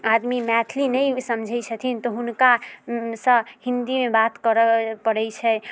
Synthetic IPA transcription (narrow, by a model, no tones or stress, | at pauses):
ad̪mimɛt̪ʰlinɛjsəmd͡ʒʱɛjt͡ʃʰət̪ʰint̪ɔɦunkasəhind̪imebat̪kəɾəpəɽɛt͡ʃʰɛ